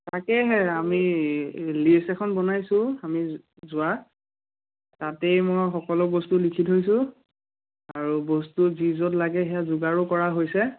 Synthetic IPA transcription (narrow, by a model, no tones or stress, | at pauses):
takɛɦɛami | lisɛkʰɔnbɔnajsʊ̃ami | zʊa | tatɛjmɔjxɔkɔlɔbɔstulikʰitɦojsʊ̃ | aɹubɔstuzizɔtlaɡɛɦɛjazʊɡaɹukɔɹaɦojsɛ